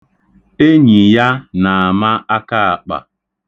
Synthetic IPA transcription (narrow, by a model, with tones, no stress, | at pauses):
e˦ɲi˨ja˦na˨a˨ma˦a˦ka˦˨a˨k͡pa̰˨